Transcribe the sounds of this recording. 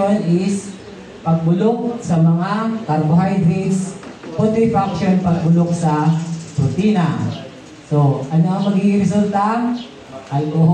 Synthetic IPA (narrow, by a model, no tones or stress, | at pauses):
onɪs | pɐɡ̚bʊlok̚sɐmɐŋak̪ɐɾɡʊɦajd̪ɾiɡspot̪ɾɪfakʃonpɐɡ̚bʊlok̚sɐpʊt̪ina | soʔɐnaʔɐŋmɐɡiʔɪɾɛs̬ult̪a | ʔɐlkoɦ